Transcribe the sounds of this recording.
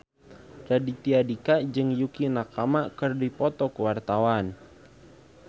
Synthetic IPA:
dadit̪iadikad͡ʒɨŋjukinakamakɨrdipɔt̪ɔkəwart̪awan

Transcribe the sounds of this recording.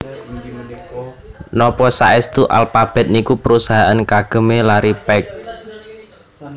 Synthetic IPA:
nɔpɔsaɛst̪uʔa̰lfab̥ɛ̤t̪̚nikupəɾusaɦaʔankaɡ̥ə̤melaɾipɛk̚

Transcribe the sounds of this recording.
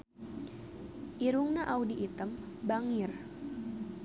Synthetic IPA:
ʔiɾuŋnaʔawdiʔit̪əm | baŋir

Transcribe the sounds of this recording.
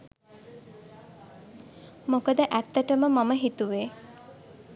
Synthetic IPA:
mokəd̪əʔæt̪ːəʈəməmɐməɦit̪uʋe

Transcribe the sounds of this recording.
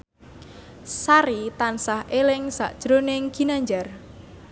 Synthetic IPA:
saɾit̪ansahelɪŋsa̰ʔd̥ʒ̥ɾoneŋɡ̥inaɲd͡ʒar

